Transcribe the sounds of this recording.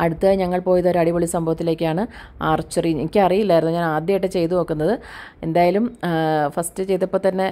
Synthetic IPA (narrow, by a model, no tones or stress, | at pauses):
ɐɽut̪ːɨɣɐɲɐŋːɐɭpo̞ːjðoɾɐɽibɐɭisɐmbʱɐʋɐt̪ːile̞ːkʲːɨaːɳɨ | aːrt͡ɕːɐriɲeikʲːɨɐrijilːɐaːjɾunːɐɲaːnaːd̪jɐjiʈːet͡ɕe̞jt̪unoːkːunːɐðɨe̞nd̪aːjaːlumfɐstɨt͡ɕe̞jt̪ːɐpːoːt̪ɐnːe̞